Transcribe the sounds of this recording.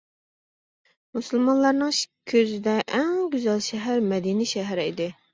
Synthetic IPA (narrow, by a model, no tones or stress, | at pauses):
musɨlˠmɑnlˠɑɾnɨŋkʲʰøzɪd̪ɛʔɛŋɡʲyzɛlʃɛɦæɾmɛd̪iniʃɛɦɛɾɪid̪ɪ